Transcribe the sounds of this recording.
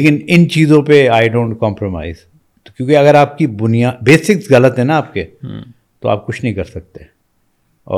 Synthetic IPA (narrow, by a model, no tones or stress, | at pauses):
leːkɪnɪnt͡ʃiːzõpeaːɪɖõːɳʈ̚kɔ̃ːmpɾoma̰ːɪz | kjõːkeɐɣəɾaːp̚kibʊnijaːbeːsɪksɣɐlət̪ɦɛ̃naaːp̚ke | t̪oa̰ːp̚kʊt͡ʃʰnɐɦĩkɐɾsɐk̚t̪eɛ̃ | ɔ̰ː